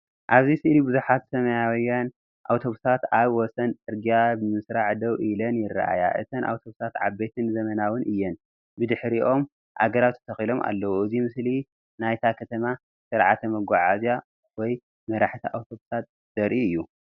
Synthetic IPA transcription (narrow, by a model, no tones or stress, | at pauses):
ʔaβzisɨʔlibɨzuħat̪sɐmɐjawjːan | ʔawt̪ʰo̞βusat̪aβwɔsɐnʔʼɨɾɡijabɨmɨsɾaʕd̪ɐwʔilɐnjɪrːa̰ʔa̰ja̰ʔɨ̰t̪ʰɐnʔa̰wt̪ʰo̞βusat̪ʕa̰be̞t̪ʰɨnzɐmɐnawɨnʔɨjːɛn | bɨd̪ɨħɾiʔo̞m | ʔa̰ɡɐɾawt̪ʰːt̪ʰɐxilo̞mʔa̰lːɐwuʔɨzimɨsli | najt̪ʰakʰɐt̪ʰɐma | sɨɾʕat̪ʰɐmɐɡʷaʕazja | wɔj | mɐɾaħt̪ʰɐʔawt̪ʰo̞βusat̪̚ | z̥ɐɾʔiɨjːu